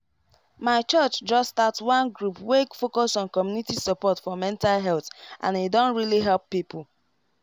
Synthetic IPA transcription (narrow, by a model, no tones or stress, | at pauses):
maɪt͡ʃɜt͡ʃd͡ʒɔstatswɔ̃nɡɹupwekfokɔsɔ̃nkɔmjunitisɔpɔtfɔmɛ̃ntalɦɛlθʔã̰nedɔ̃ntɹiliɦɛlˠpːipʰul